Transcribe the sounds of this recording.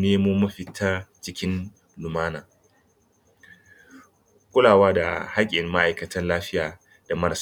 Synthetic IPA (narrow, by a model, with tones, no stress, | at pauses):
neː˦mu˦mɐ˦ɸɪ˨tʰa˦t͡ʃɪ˦kʲɪ˦n | lʊ˨maː˦naː˨ | kʷʼʊ˦laː˨waː˦da̰˨ha˦kʲʼɪ˨ɪ˨mːa˦ʔa˨jkɐ˨tɐ˦nlaː˦ɸɪ˦jaː˨ | d̥a˨mɐ˦ɾs